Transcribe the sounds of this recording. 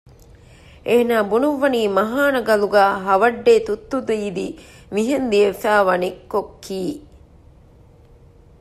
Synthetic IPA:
ʔenaːbunuʋːɐniːmɐɦaːnɐɡɐluɡæːɦɐʋɐɖːeːt̪ut̪ːud̪uiːd̪imiɦend̪iefæːʋɐnekːokʰːiː

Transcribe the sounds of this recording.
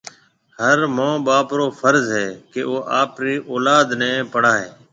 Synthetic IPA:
həɾmõːɓaːpɾoːfʰəɾzɦɛːkeːoːʔaːpɾiːʔoːlaːd̪nɛ̃ːpəɽaːɦeː

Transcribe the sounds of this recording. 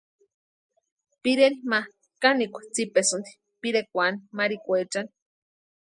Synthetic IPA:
piɾenima | kanikʷḁt͡sipesunt̪i̥ | piɾekʷanimaɾikʷet͡ʃani̥

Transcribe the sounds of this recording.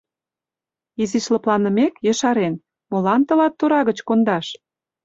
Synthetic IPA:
iziʃlə̆plɑnə̆mekjə̆ʃɑɾen | molɑnt̪ɤ̆lɑt̪ːoɾɑɣət͡ɕkond̪ɑʃ

